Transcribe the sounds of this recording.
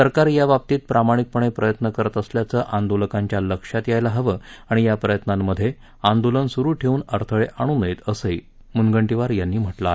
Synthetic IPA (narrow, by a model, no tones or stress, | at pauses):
səɾkaɾjaʋap̚t̪iːt̪̚pɾamaɽ̃ik̚pəɳ̃epɾəjət̪nəkəɾət̪əsljat͡səːʔand̪oləkaɲt͡ɕjaləkʂat̪jajlaɦəʋəːaɽ̃ijapɾəjət̪namːəd̪ʱːje | and̪olənsuɾuːʈʰeuːnəɾt̪ʰəɭeʔaɽ̃uːnəjet̪əsəj | munɡəɳʈiʋaɾjanːiːm̤əʈlae